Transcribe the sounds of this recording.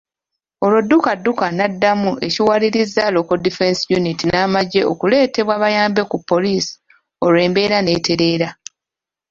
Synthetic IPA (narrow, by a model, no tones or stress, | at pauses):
o̞lodːukadːukanadːamuʔe̞ciwaliɾizalo̞kodife̞nsjunitinaːmaɟe̞o̞kule̞ːte̞βwaːβajaːmbe̞kupːo̞liːsi̥ | o̞le̞ːmbe̞ːɾane̞ːtʰe̞ɾe̞ːɾa